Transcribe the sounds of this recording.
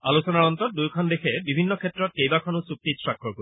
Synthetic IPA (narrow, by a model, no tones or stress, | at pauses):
alusɔnaɹɔntɔt̪̚d̪ujkʰɔnd̪ekʰɛbibʱinːɔkʰetːɹɔt̪̚kejbakʰɔnusuk̚t̪isɹakʰːɔɹko